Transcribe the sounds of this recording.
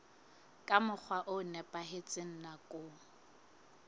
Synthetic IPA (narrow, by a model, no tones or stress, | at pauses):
kʼamʊk͡xʰwaʔʊnɛpʼaɦɪt͡sʼɪn̩nakʼʊ